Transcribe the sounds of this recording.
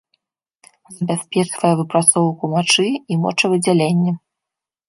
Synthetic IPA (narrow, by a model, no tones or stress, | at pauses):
zɐbʲasʲpʲɛt͡ʂvɐjɛvɨpɾat̪sɔwkumat͡ʂɨimɔ̰t͡ʂɐvɨd͡zʲalʲenʲːɐ